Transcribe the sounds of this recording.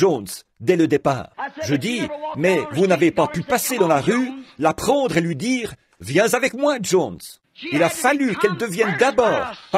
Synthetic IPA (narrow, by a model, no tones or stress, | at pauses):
ʒonsd̪ɛləd̪epa̰ːʁʒəd̪imɛvunavepapypased̪ɑ̃laʁylapχɑ̃d̪ʁelɥid̪iːʁ | vjɛ̃zavɛkmwaʒõns | ilafalykɛld̪əvjɛnd̪abɔːʁp